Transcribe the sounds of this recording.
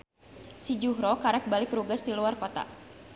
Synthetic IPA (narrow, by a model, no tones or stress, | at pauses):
sid͡ʒuɦɾɔkaɾɛk̚balɪkruɡasd̪iluarkɔt̪a̰